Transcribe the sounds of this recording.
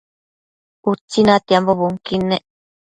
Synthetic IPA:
ut͡sːinãt̪iamboβuŋkineʔ

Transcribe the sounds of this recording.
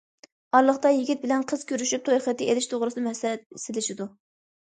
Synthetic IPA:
ɑɾlˠəχt̪ɑjiɡʲit̪̚bɪlɛnqʰəz̥kʲʰøɾyʃyp̚t̪ʰojχət̪ʰːɪʔelɪʃt̪ʰoʁɾɨsɨnɨmɛsɛt̪̚sɪlɪʃɪd̪u

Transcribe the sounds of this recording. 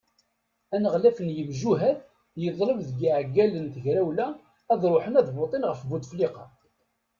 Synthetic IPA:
ænəʁlæfənjəmʒuɦæð | jəðˤləvðɡiʕɡːælənθəʝɾæwlæː | ðˤɾˤoħənæðbot̪ˤenʁəfvud̪fliqɑ

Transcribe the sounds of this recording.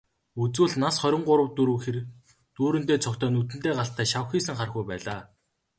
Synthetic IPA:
ut͡swuːɮnasχœɾʲɪ̆ɴɢʊɾə̆wt̪ːuɾuːxer | t̪uːɾɘ̆nt̪eːt͡sʰɔkt̪ʰœːnut̪̬ɘ̆nt̪eːɢaɬt̪ʰæːʃawxiːsɘ̆ŋχarxɡujpæːɮaː

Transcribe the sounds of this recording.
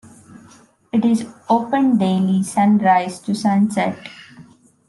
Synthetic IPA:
ɪʈɪzoːpə̃nɖeːlisãnɾaɪzʈusãnsɛʈ

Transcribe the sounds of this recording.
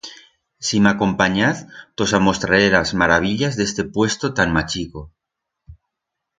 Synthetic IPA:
simako̞mpaɲaθt̪o̞samo̞st̪ɾaɾelazmaɾaβ̞iʎazðe̞st̪e̞pwe̞st̪ot̪aŋmat͡ʃiko

